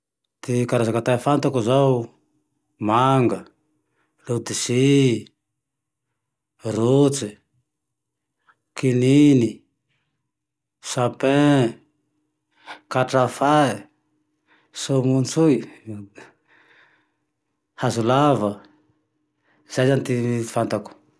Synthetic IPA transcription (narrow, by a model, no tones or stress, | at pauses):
t̪ikaɾazakat̪afant̪akuzaw | maŋɡə | lud̪isi | rut͡si | kinini | sapẽ | kaʈ͡ʂafa | somunt͡sui | hazulavə | z̥ajzanit̪ifant̪aku̥